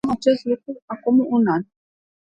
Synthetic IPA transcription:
mat͡ʃɛslukuakɔmuʔunan

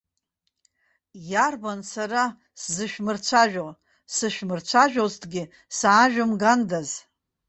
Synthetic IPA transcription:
jarbansara | szɨʃᶣmɨrt͡ɕʷʰaʒᶣo | sɨʃᶣmɨrt͡ɕʷʰaʒᶣoztʰɡʲɪ | saːʒᶣamɡandaz

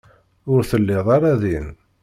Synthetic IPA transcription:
ʊɾθəlːɪðˤɑɾˤæðin

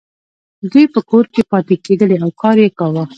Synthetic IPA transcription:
d̪ujpəkoɾkepɑt̪eked̪əleawkɑɾjekawə

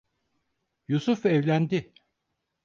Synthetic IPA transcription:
jusufɛvlʲænd̪ɪ

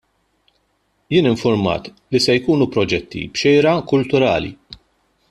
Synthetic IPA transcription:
jɪːnɪɱfʊɾmɐ̰ːt̪ | lisɛjkuːnupɾɔd͡ʒɛt̪ːḭbʃɛjɾɐkʊlt̪ʊɾɐ̰ːlḭ

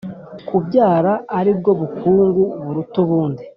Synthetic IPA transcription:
kubɟaːɾaːɾib̚ɡo̞βukʰuːŋɡuβuɾutuβuːndi

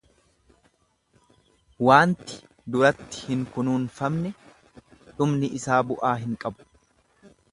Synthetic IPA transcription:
waːnt̪ɪ̥ | d̪ʊɾɐt̪ːɪ̥hɪŋkʊnuːnfɐmnɛ | ᶑ̪ʊmnɪʔɪsaːbʊʔaːɦɪŋkʼɐbʊ̥

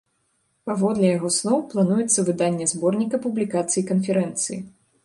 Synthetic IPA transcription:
pavɔd̪lʲɛjaɣɔsnˠɔwplˠanujɛt̪sːɐvɨd̪anʲːɛzbɔrnʲikɐpublʲikat̪sɨjikɐnfʲɛɾɛnt̪sɨjḭ

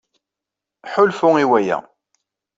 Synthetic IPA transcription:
ħʊlfʊiwæjæ̰

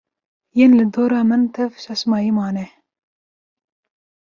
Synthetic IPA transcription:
jeːnlɨd̪oːɾɑːmɨnt̪ʰɛvʃɑʃmɑːjiːmɑːnɛ

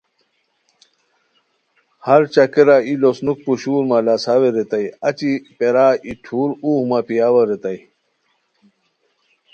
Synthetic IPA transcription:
hɐɾt͡ɕɐkeɾailosnuk̚puɕuːɾmalasaweɾet̪ɐjɐt͡ɕipeɾaːiʈʰuːɾuːhmapijaːwɐɾet̪ɐi

